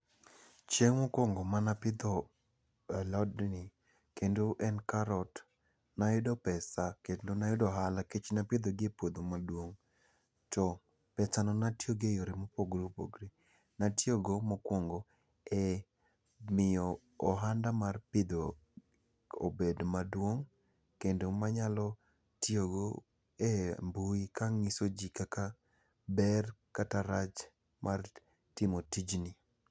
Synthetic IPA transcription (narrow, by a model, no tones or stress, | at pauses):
t͡ʃeŋwokwoŋɡomanapɪd̪o | alɔdni | kendoʔɛnkaɾɔt | najʊdɔpɛsaketlonajʊdɔɦalaket͡ʃnapɪd̪oɡepod̪omadwoŋ | tɔ | pɛsanɔnatjoɡejoɾimopoɡɾupo̰ɡɾi | natjoɡomokwoŋɡo | ɛ | mɪjɔː | ɦandamarpɪd̪o | obedmadwoŋ | kendomaɲalɔ | tjoɡo | ɛmbuikaŋisod͡ʒikaka | bɛrkataɾat͡ʃ | mʔar | tɪmotid͡ʒni